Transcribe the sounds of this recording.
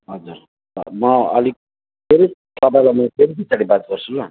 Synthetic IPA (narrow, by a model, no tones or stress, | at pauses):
ɦʌd͡zur̰ | mʌʌli | pʰeɾit̪ʌpajlamʌpʰeɾipit͡saɽibat̪̚ɡʌrt͡sʰula